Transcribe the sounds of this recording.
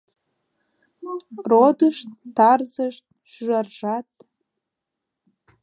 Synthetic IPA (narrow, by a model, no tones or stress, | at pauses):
rod̪əʃt̪ːɑrzəʃt̪̚ | ʃyʒɑrʒɑt̪̚